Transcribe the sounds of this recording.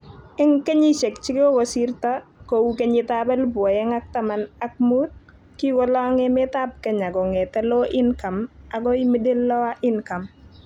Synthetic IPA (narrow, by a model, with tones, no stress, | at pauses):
ɛ˦ŋke˦ɲi˦ʃe˨k̚t͡ʃɪ˦kɪ˦ɔ˦ɡɔ˨siɾta˦kowukeɲitabɛ˦lbwɔ˨jɛ˦ŋa˦k̚tama˨na˦k̚mut̚ | ki˦wɔ˦la˦ŋɛmɛ˦ta˦p̚kɛ˨ɲa˨ɡɔ˨ŋɛ˨tɛ˦lɔ˦ʔɪ˦nka˨ma˨ɡɔ˦i˦mi˦de˦lːɔ˦wa˦ʔɪ˦nka˨m